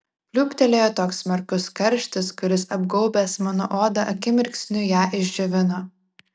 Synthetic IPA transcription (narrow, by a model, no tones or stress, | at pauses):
pʲlʲuːpʲt̪ʲɛlʲeːjoːt̪oːksmʲɛɾkʊskɐɾʲʃʲt̪ʲɪskʊɾʲɪsɐbɡɔʊbʲeːsmɑno̰ʔoːd̪ɐʔɐkʲɪmʲɪɾʲksʲnʲʊjæːʔɪʒʲd͡ʒʲɛʋʲɪnoː